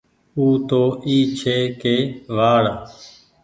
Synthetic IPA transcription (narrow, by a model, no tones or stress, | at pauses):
uːt̪oːʔiːt͡ʃʰeːkeːʋaːɭ